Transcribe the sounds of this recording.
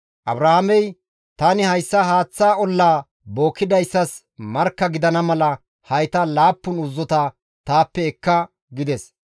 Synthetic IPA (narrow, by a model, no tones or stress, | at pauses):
ʔɐ̰bɾɐhɐmɛj | t̪ɐnɪhɐjsːɐɦaːt͡sːaːɔlːaː | bo̞ːkːɪd̪ɐjsːɐs | mɐɾkːɐɡɪd̪ɐnɐmɐlɐ | hɐjt̪ɐlaːpːʊnʊzːɔt̪ɐ | t̪aːpːɛɛkːɐ | ɡɪd̪ɛs